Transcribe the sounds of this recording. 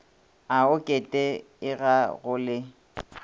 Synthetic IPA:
aʊkʼetʼɛ | ɪɣaɣʊlɪ

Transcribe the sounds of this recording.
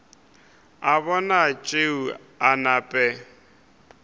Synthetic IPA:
aβɔnat͡ʃʼeu | anapʼɛ

